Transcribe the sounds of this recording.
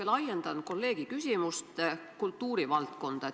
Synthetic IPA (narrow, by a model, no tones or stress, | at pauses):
elɑjend̪̥ɑnko̞lːe̞ːɡ̥ikysʲimust̪kult̪ːuːɾivɑlt̪ko̞nd̪̥ɑ